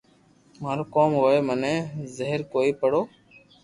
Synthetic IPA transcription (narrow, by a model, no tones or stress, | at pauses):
maːɾoːkoːmɦoːeːmənɛ̃ːzeɦəɾkoːiːpəɽoː